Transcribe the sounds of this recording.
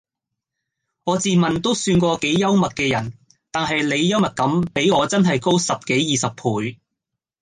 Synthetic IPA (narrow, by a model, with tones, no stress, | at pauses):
ŋɔː˨˧t͡siː˨mɐ˨nt̪o˥wsyː˧nkʷɔː˧ke˨˥jːɐ˥wmɐ˨t̚kɛː˧jɐ˨˩n | t̪aː˨nɦɐ˨jle˨˧jːɐ˥wmɐ˨t̚kɐ˨˥mpe˨˥jŋɔː˨˧t͡sɐ˥nɦɐ˨jko˥wsɐ˨p̚ke˨˥jjiː˨sɐ˨p̚pʰuː˨˥j